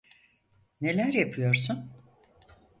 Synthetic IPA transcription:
ne̞lʲæɾjapʰɯjo̞ɾsun

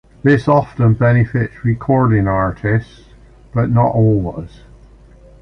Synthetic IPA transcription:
ðɪsɔftə̃nbɛñɪfɪtsɹɪkʰɔɹdɪ̃ŋaɹʔɪsts | b̥ʌʔnəʔɔlˠwɪz̥

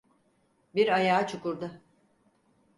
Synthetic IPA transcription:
biɾajaːt͡ʃʰukuɾd̪ʊ

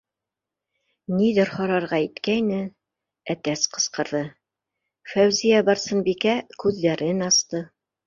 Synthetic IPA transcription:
niðɘɾhɑɾɑɾʁɑit̪kæjnɘ | æt̪æsqɤ̥̆sqɤ̆ɾðɤ | fæwzijæbɑɾsɤ̆nbikækʉðːæɾɘnɑst̪ɤ

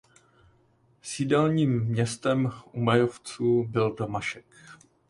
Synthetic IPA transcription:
siːdɛlɲiːmːɲɛst̪ɛmʔumajoft͡suːbɪldomaʃɛk

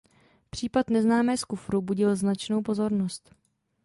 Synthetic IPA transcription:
pr̝̥iːpat̪nɛznaːmɛːskufɾubuɟɪlznat͡ʃnowpo̞zo̞ɾnost̪

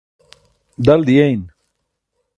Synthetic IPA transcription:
d̪ɐld̪ijejn

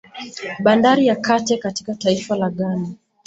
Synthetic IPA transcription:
ɓandaɾijakatɛkati̥kataifalaɠana

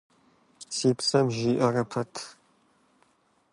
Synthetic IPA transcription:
siːpsɐmʒiːʔɐrɐpʰɐtʰ

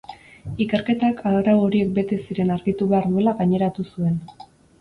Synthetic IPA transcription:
ike̞ɾke̞t̪akʰarawo̞ɾie̞k̚be̞t̪e̞siɾe̞naɾɣit̪uβe̞aɾðue̞laɣaɲe̞ɾat̪usue̞n

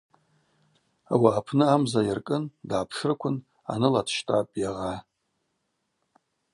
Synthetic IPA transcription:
a̰waːpʰnɨamzajarkʼɨndaːpʰʂrkʷʰʊn | a̰nɨlatʰʃtʼa̰pʼjaʁa

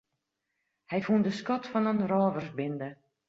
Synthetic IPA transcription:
hɛjfundəskɔtfɔnənrɔːvərsbɪndə

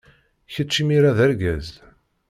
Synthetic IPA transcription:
çət͡ʃːimiɾaðæɾɡæz

